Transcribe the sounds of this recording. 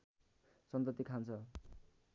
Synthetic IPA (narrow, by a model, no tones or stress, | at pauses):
sʌnt̪ʌt̪ːikʰant͡sʰʌ